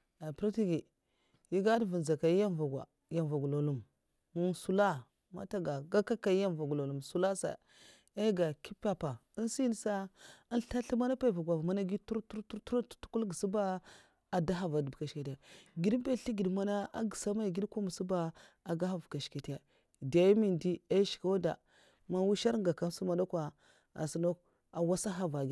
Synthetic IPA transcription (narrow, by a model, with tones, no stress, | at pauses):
a˨pɾu˦ti˦ɡi˨ | ji˦ɡa˦dvu˨n˨za˨ka˨i˦ja˦nva˨ɡʷa̰˨ | ja˨n˨va˨ɡu˨lo˨lu˦˨m | mu˦nsu˦la˦ | ma̰˦ta˦ɡa˨ɡa˦ka˦ka˨i˦ja˦mva˨ɡu˨lo˨lu˨msu˦la˦sa̰˨ | a˦ɡa˨ki˦pa˦pa˨ | i˦n˦si˦n˦sa˦a˦nɬa˦ɬi˦ma˦na˦pa˦i˨va˨ɡʷa˨vma˦na˦ɡi˦tu˦ɾtu˦ɾtu˦tu˦ɾttu̥˦ku˦lɡə˨si˦ba˦ | a˨da˦ɦa˨va˨dbka˨ʃke˨ti˨a˨ɡi˨dbe˦ɬi˦ɡi˨dma˦na˦a̰˦ɡi˨sa˦ma˦˨ɡi˦dkʷa˦mu˨su˦ba˦a˨ɡa˦ha˨vka˨ʃke˨tja˨ | da˨jmi˦˨ndi˦a˦ʃi̥˨ka˦wda˨ | ma˦wu˦ʃa˦ɾɡa˨ka˦su˦ma˦da˦kʷa˨ | a̰˨si˨no˦k | a˨wa˦sa˦ɦa˦va˨ɡ